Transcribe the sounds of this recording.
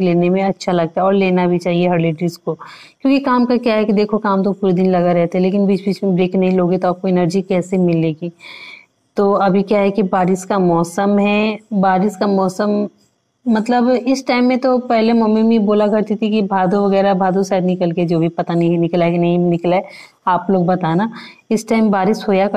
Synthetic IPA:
leːnemẽɐtːʃʰalɐɡ̚t̪aɛɔːɾleːnabʱit͡ʃaːɦieɦɐɾleːʈɾɪsko | kjõːkikaːmkakjaɦɛkid̪eːkʰokaːmt̪̬opuːɾed̪ɪnlɐɡaɾɛɦt̪eɦɛ̃leːk̬ɪnbiːt͡ʃbiːt͡ʃmẽbɾeːkʰnɐɦĩloːɡet̪oaːp̚koɪnəɾd͡ʒikɛːsemɪlːeːɡiː | t̪oːɐbʱikjaɦɛkibaːɾɪskamɔːsəmɦɛbaːɾɪskamɔːsəmː | ɐt̪ləbɪsʈaːɪmːẽt̪opɛɦlemɐmimiboːlakɐɾt̪it̪ʰikibʱaːd̪uʋɐɣɛːɾabʱaːd̪usaːd̪nɪkəlked͡ʒoːbʱipɐt̪aniĩnɪklaekinɐɦĩnɪklae | aːploːɡbɐt̪aːnaɪsʈaːɪmbaːɾɪʃɦoːjak

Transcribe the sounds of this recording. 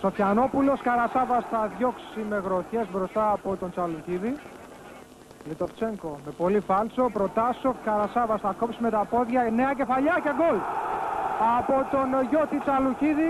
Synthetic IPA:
sofçɐno̞pulo̞skɐɾɐsɐvɐsθɐðʝo̞ksime̞ɣɾo̞çe̞zvɾo̞st̪ɐːpo̞t̪o̞nt͡sɐluciði | lit̪oft͡ʃe̞ŋko̞me̞po̞lifɐlso̞pɾo̞t̪ɐso̞fkɐɾɐsɐvɐsθɐkopsime̞t̪ɐpo̞ðʝɐne̞ɐce̞fɐʎɐceɡol | ɐpot̪o̞nʝo̞t̪it͡sɐluciði

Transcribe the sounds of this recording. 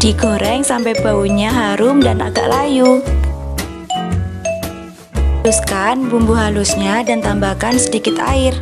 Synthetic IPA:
d̥iɡoɾɛŋsampɛjbauɲaɦaɾʊmdana̰ɡa̰ʔlaju | luskanbumbuɦalusɲadant̪ambakansədikɪt̪aɪr

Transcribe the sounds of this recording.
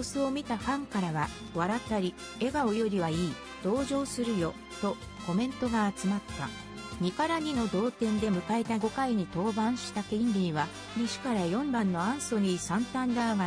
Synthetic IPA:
osɨo̞mʲit̪aɸãŋkaɾaβa | βaɾat̪ːaɾʲi | e̞ɡaojo̞ɾʲiβaiː | d̪̥o̞ːʑo̞ːsɨɾɯ̟jo̞ | t̪o̞ | ko̞mẽ̞nt̪o̞ɡaːt͡sɨmat̪ːa̰ | ɲ̟ikaɾaɲ̟ino̞d̪o̞ːt̪ẽ̞nd̪e̞mɯ̟kaet̪aɡo̞kaiɲ̟it̪o̞ːbãɰ̃ɕi̥t̪akend̪ʲiβa | ɲiɕi̥kaɾajõ̞mbãnːo̞ãɰ̃so̞nisãnt̪ãnd̪aːɡa

